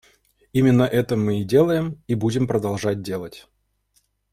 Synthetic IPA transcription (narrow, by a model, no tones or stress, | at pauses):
imʲɪnːəʔɛt̪əmɨɪdʲe̞lˠəjɪmibudʲɪmpɾəd̪alˠʐat̚ʲdʲe̞lˠətʲ